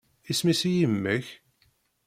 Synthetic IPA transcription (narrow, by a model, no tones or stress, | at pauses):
ismisijəmːəç